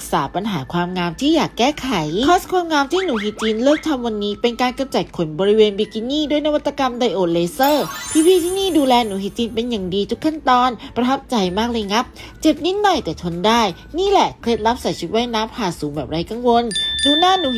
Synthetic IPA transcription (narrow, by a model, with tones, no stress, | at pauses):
k̚saː˩˦pa˧nɦaː˩˦kʰwaː˧mŋaː˧mt̪ʰiː˥˩jaː˨˩kːɛː˥˩kʰa˨˩˦jkʰɔː˦˥skʰwaː˧mŋaː˧mt̪ʰiː˥˩nuː˩˦ɦi˨˦t̪̚t͡ɕiː˧nlɤː˥˩k̚t̪ʰa˧mwa˧nːiː˦˥pe˧nkaː˧nka˧mt͡ɕa˨˩kʰo˨˩˦nbɔː˧ɾi˦˥weː˧nbiː˧ki˧niː˥˩duː˥˩əjna˦˥wa˦˥t̪ːa˧ka˧mda˧jʔoː˨˩t̪̚leː˧sɤː˥˩t̪ʰiː˧wiː˧˥˩t̪ʰiː˥˩niː˥˩duː˧lɛː˧nuː˩˦hi˨˦˩t̪̚t͡ɕiː˧npe˧nja˨˩ŋdiː˧t̪ʰu˦˥kʰːa˥˩nt̪ɔː˧npɾa˧t̪ʰa˦˥p̚t͡ɕa˧jmaː˥˩k̚lɤː˧jŋa˦˥p̚ | t͡ɕe˨˩p̚ni˦˥t̪̚nɔ˨˩jt̪ɛː˨˩t͡ɕʰo˧ndaː˥˩j | niː˥˩lɛ˨˩kʰle˦˥t̪̚ɾa˦˥p̚sa˨˦jt͡ɕʰi˦˥wa˦˥jnaː˦˥mpʰaː˨˩suː˩˦ŋbɛː˨˩p̚ɾa˧jka˧ŋwo˧nt͡ɕuː˧naː˥˩nuː˨˦